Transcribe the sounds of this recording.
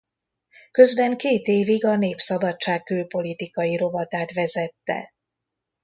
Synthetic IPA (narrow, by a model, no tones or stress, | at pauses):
kø̞zbɛŋkeːt̪eːviɡɒneːpsɒbɒt͡ʃːaːk̚kːylpo̞lit̪ikɒjiɾo̞vɒt̪aːt̪ʋɛzɛt̪ːɛ̰